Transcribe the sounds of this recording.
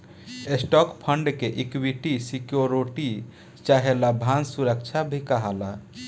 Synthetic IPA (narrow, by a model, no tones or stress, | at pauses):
esʈɔkpʰəɳɖkeʔikwiʈisikjoɾoʈi | t͡ʃaɦelabʱansuɾək̚t͡ʃʰabʱikəɦala